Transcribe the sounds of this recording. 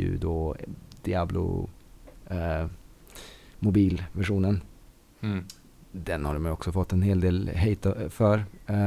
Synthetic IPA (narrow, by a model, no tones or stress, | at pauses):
ʉ̰d̪od̪ɪɑːblʊ̰ | mʊbiːlvæʂuːnən | d̪ɛnhaɾmɛjɔksɔfɔt̪ːɛnɦeːld̪eːlɦɛɪt̪fœːɾ